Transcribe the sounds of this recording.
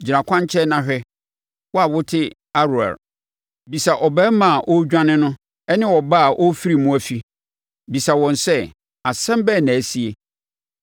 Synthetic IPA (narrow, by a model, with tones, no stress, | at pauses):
d͡ʑi˨ɾã˨kʷʰã˦ɲ˦t͡ɕʰɛ˦nã˨hᶣɛ˦ | wɔ˦a˨wʊ˦tʰɪ˦ | a˦ɾʊ˨a̰˨ɾ | bi˨sa˨ʔɔ˨bɛ˦mã˨ʔɔ˦d͡ʑᶣã˦nɪ̃˦nʊ̃˦ | ɛ˦nɪ̃˦wɔ˨ba˦a˨ʔɔ˦fi˦ɾi˨mʊ̃˦æ˦fi˨ | bi˨sa˨wɔ̃˨nsɛ˦ | a˨sɛ̃˦mbɛ˦˨nã˨si˦e˨